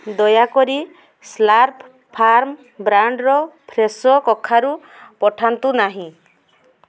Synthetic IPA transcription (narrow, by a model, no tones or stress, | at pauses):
d̪ɔjakɔɾi | slaɾp | pʰːaɾm | bɾaɳɖɾɔpʰɾesɔkɔkʰːaɾu | pɔʈʰant̪unaɦĩ